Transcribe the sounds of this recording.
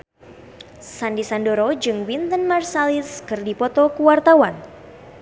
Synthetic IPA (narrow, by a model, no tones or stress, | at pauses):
sandisandoɾɔd͡ʒɨŋwint̪ənmarsaliskɨrdipɔt̪ɔkuwart̪awan